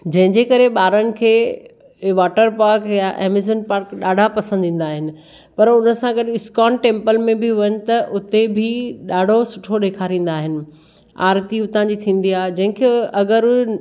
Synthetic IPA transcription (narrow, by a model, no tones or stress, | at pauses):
d͡ʑɐ̃ɦɪ̃ɲd͡ʑeːkɐɾeɓaːɾənɪ̆kʰeː | ʋaːʈəɾpaːɾkjaʔɛ̰ːmɪzənpaːɾkɗaːɖʱapɐsə̃nd̪ʱĩːn̆d̪aːɦɪnɪ̆ | pɐɾʊnə̆sãɡɐɗɪɪskaːnʈẽːmpəlmẽbʱɪʋɐnɪ̆t̪ɐʔʊt̪ebʱɪɗaːɖʱosʊʈʰoɗeːkʰaːɾĩːn̆d̪aːɦɪnɪ̆ | a̰ːɾt̪iʊt̪ãːd͡ʑit̪ʰĩːn̆d̪iaːɦed͡ʑɐ̃ɦɪ̃kʰeːɐɡəɾ